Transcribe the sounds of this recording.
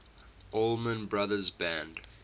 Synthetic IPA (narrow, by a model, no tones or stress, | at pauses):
olˠmə̃nbɹaðəzbæ̃nd